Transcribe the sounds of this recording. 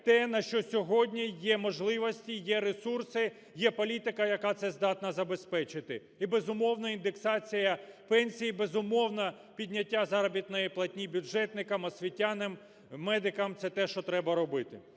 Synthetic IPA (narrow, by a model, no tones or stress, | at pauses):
t̪ɛnɐʃt͡ʃɔsʲɔɦɔdʲnʲijɛmɔʒlˠɪʋɔsʲtʲijɛɾesursɪ | jɛpɔlʲit̪ɪkɐjɐkat̪sɛzd̪ɑt̪nɐzɐbespɛt͡ʃɪt̪ɪ | ibezʊmɔwnɐind̪eksɑt͡sʲijɐpɛnʲsʲijibezʊmɔwnɐ | pʲidʲnʲɐtʲːazɑɾɐbʲit̪nɔjiplˠɐtʲnʲibʲʊʒɛt̪nɪkɐmɐsʲʋʲitʲːanɪmː | ɛd̪ɪkɐmt̪sɛt̪ɛʃt͡ʃɔt̪ɾɛbɐɾɔbɪt̪ɪ